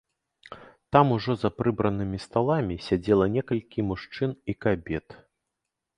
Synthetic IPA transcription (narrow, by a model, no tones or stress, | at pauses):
t̪amuʐɔzapɾɨbɾɐnɨmʲist̪alˠamʲisʲad͡zʲɛlˠɐnʲɛkɐlʲkʲimuʂt͡ʂɨnikabʲɛt̪